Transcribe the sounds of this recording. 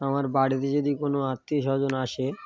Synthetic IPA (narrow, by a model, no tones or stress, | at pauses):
amaɾbaɽit̪ed͡ʑod̪ikonoat̪ːiʃɔɦd͡ʑonaʃe